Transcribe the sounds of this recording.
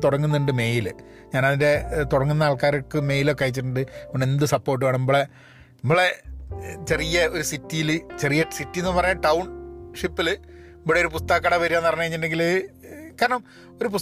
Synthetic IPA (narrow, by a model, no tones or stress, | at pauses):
t̪uɽɐŋːunːɨɳɖɨme̞ːjilɨ | ɲaːnɐðinde̞t̪uɽɐŋːunːɐaːɭkaːɾokːɨme̞ːjilo̞kːɐjit͡ɕːiʈːuɳɖɨoɳɖend̪ɨsɐpːo̞ːrʈ̬ːɨʋaːɳemboːɭe | nɐmːɐɭe̞ | t͡ɕe̞rijɐo̞ɾusitːijilt͡ɕe̞rijɐsitːije̞nːɨpɐrɐjaʈɐwɳʂipːil | mbɽeoɾupust̪ɐɣɐkːɐɽɐʋɐɾijaːnːɐpɐrɐɲːɐeɐɲːinːdeŋɡilkaːɾɐɳɐm | o̞ɾup̬us